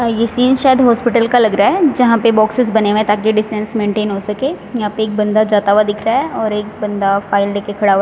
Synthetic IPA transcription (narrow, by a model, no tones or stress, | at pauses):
jesiːzʃaːjəd̪ɦɔːspɪʈəlkalɐɡɾaɦɛd͡ʒɐɦãpebɔːksɪzbɐneʋẽt̪aːkiɖɪsʈɛ̃nsmẽːɳʈeːnɦoːsɐke | jɐɦãpeːk̚bɐ̃nd̪ad͡ʒaːt̪aʋad̪ɪkʰɾaɦɛɔːɾeːk̚bɐ̃nd̪afaːɪld̪eːkekʰɐɽaa